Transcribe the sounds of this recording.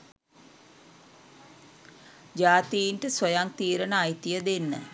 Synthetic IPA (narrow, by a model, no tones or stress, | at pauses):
d͡ʒaːt̪iiɳʈəsʋəjaŋt̪iːɾənəːjt̪ijəd̪enːə̰